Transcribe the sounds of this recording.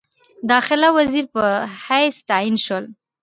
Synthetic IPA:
d̪ɑxɪlawaziɾpəhajst̪ainʃəl

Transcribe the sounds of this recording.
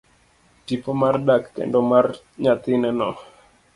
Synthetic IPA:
tipomardakːɛ̰ndɔmar | ɲat̪ɪnɛnɔ

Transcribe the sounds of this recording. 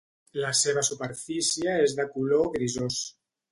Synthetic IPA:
laseβ̞asupeɾfisjaezðakuloɣɾizos

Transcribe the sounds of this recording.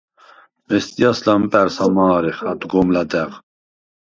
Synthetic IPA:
mɛst̪ʼijaslampʼɛɾsamaːɾɛχat̪ʼɡɔmlat̪ɛʁ

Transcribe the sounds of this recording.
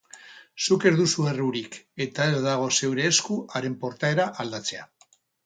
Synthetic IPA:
suke̞ɾðusue̞ruɾike̞t̪ae̞zðaɣ̞o̞se̞wɾe̞ːskuaɾe̞mpo̞ɾt̪ae̞ɾaʔald̪at͡se̞a̰

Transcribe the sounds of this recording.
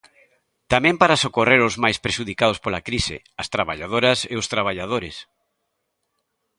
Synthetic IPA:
t̪amẽmpaɾasokoreɾozmajspɾeʃuðikaðʊspolakɾisɪ̰ | ɐst̪ɾaβaʎað̞oɾɐseʊst̪ɾaβ̞aʎað̞oɾɪs

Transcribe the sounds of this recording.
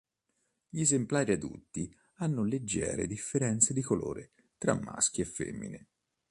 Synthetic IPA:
ʎiezemplaːɾiad̪ṵt̪ːi | anːoled͡ʒːɛ̰ːɾḛd̪ifːeɾɛnt̪sed̪ikolo̰ːɾe | t̪ɾa̰mːa̰sk̟iefːḛmːḭne

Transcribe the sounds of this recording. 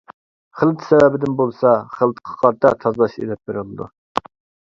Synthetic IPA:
χəlˠt̪ʰsɛwɛbɪd̪ɪnbolˠsɑχəlˠt̪qʰɑ̥qʰɑɾt̪ʰːɑt̪ʰɑzlˠɑʃḛlɛp̚beɾɪlˠɨd̪ṵ

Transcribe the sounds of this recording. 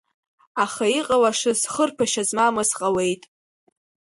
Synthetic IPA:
aχaiqʼawaʂɨzχərpʰaʃazmamɨsqʼawe̞jtʼ

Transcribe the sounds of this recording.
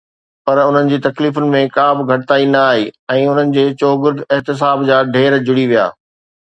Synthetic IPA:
pɐɾʊn̤ənɪ̆d͡ʑiːt̪ɐkliːfʊnɪ̆mẽkaːbʱɪ̆ɡʱɐʈɪt̪aːinɐːɦiːɛ̃ːʊn̤ənɪ̆d͡ʑeːt͡ɕoːɡʊɾd̪ɪɦt̪ɪs̬aːbd͡ʑaːɖʱeːɾd͡ʑʊɽiʋija̰ː

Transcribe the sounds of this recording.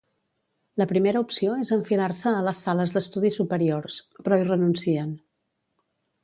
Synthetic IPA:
ləpɾimeɾəupsioezəɱfilarsəːləsːaləzðəst̪uðisupəɾiorspɾɔirənunsiən

